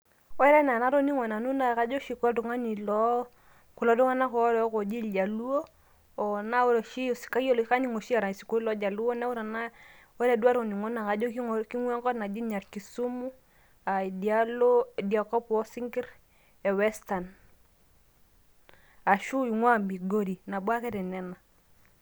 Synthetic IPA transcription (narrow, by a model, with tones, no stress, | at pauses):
wɔ˦ɾɛ˦na˨na˨˦ɾo˦ni˦ŋɔ˨na˨nu˦na˨ka˦d͡ʒo˦ʃi˨ku˦lɔ˦du˨ŋa˦ni˨lɔ˦ | ku˨lɔ˨˦du˦ŋa˦na˦kɔ˦lɔ˦ko˨d͡ʒi˦ld͡ʒa˨lu˦o˦˨ | na˦u˦ɾɔ˨ʃi˦˨si̥˨ka˦jo˦lo˨˦ka˦ɲi˦ŋo˨ʃi˦a˨ɾa˨si˨ko˦i˦lɔ˦d͡ʒa˨lu˦o˦na˦wu˦ɾa˨na˦ | wɛ˦ɾɛ˨du˦a˦ɾo˨ni˨ŋo˦na˨ka˨d͡ʒo˦ki˦ki˦ŋwa˦ŋkɔ˦tna˨d͡ʒi˦ɲa˨ɾki˨su˦mu˦ | a˨di˨a˦lo˦di˨a˨kɔ˦pwɔ˦si˦ŋɡi˦ɾ | ɛ˨wɛ˦sta˨n | a˨ʃu˦i˨ŋwa˦mbi˨ɡo˦ɾi˨na˨bwa˦kɛ˦ɾɛ˨nɛ˨na˨